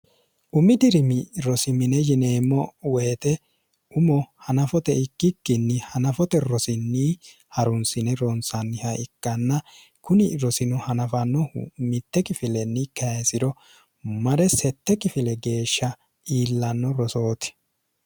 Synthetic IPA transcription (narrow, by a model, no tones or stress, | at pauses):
ʔʊmɪd̪ɪɾɪmɪɾɔsɪmɪnɛjɪne̞ːmːɔweːt̪ʼɛ | ʊmɔhɐnɐfɔt̪ɛɪkːɪkːɪnːɪhɐnɐfɔt̪ɛɾɔsɪnːi | hɐɾʊnsɪnɛɾɔnsɐnːɪhɐɪkːɐnːɐ | kʊnɪɾɔsɪnʊhɐnɐfɐnːɔmɪt̪ːɛkɪfɪlɛnːɪkɐsɪɾɔ | mɐɾɛsɛt̪ːɛkɪfɪlɛɡe̞ːʃːɐ | ʔiːlːɐnːɔɾɔso̞ːt̪ɛ̥